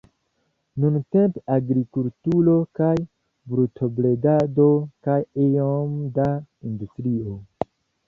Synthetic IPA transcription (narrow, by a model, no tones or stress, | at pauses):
nunte̞mpeaɡɾikultulo̞kaj | bɾutʰo̞bledado̞kajejomdaindustɾio